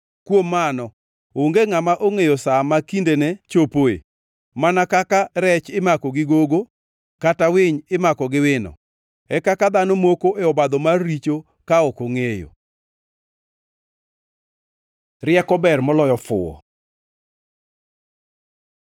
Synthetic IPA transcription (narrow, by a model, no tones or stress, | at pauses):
kwomːanɔ | oŋɡeŋamaʔoŋejosamakindenɛt͡ʃopoḛ | manakakaɾɛt͡ʃɪmakɔɡɪɡoɡo | katawɪɲɪmakɔɡɪwɪnɔ̰ | ɛkakad̪anomokoʔeɔbad̪ɔmarːit͡ʃo | kaɔkoŋejo̰ | rɪɛkɔbɛrmɔlɔjɔfʊ̰ɔ̰